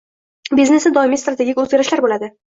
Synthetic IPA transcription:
bizne̞sɪd̪ɒɪmist̪ɾat̪ʰe̞ɡʲikʲɵzɡʲaɾɪʃlaɾbolad̪ɪ

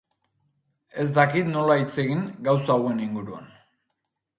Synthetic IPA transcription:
e̞z̬d̪akit̪no̞lait͡se̞ɣiŋɡawsaɣue̞niŋɡuɾua̰n

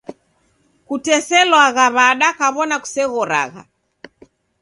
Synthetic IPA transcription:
kutɛsɛlwaɣaβaɗakaβɔnaku̥sɛɣɔɾa̰ɣa̰

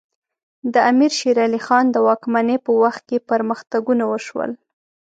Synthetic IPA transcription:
d̪əamiɾʃiɾɑlixɑnd̪əwɑkmanepəwaxt̪̚kepəɾməxt̪aɡunawəʃwə̰l

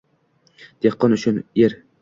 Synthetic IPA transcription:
d̪̥eqʰːɒnʊt͡ʃʊnjeɾ

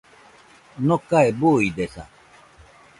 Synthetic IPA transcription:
nokaebuid̪esa̰

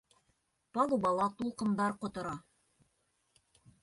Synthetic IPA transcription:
pɑlˠubɑlˠɑt̪ulˠqɤ̆md̪ɑɾqŏt̪ŏɾɑ

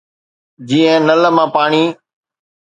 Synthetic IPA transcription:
d͡ʑiːə̃nələmãːpaːɳiː

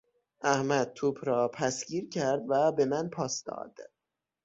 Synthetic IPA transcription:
ʔæhmæd̪̥̚t̪ʰuːpʰɾɒːpʰæsɟ̥iːɾcʰæɾd̪væbe̞mænpʰɒːsd̪̥ɒ̰ːd̪̥

